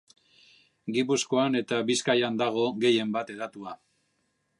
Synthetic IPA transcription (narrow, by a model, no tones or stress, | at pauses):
ɡipusko̞ane̞t̪aβiskajand̪aɣ̞o̞ɣe̞je̞mbat̪e̞ðat̪ua